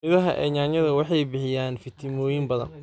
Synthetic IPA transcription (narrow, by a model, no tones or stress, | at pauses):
mɪðɐɦɐʔɛ̰ːɲaːnjɐðɐwɑħɑjbɪħɪjaːnfɪt̪ʰɪmɔːjɪmbɐðɐ̰n